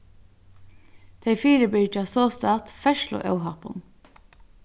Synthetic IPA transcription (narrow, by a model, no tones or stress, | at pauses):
d̪̥ʰeɪfiːɾəbit͡ʃɑːsoːst̪ɑːt̪fɛʃlʊ̰ʔɑ̰ʊɦɑpɔ̰n